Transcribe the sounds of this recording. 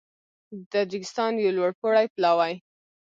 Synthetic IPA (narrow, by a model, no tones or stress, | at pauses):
d̪ad͡ʒɪkɪ̥st̪ɑnjawlwaɽpoɽajplɑwaj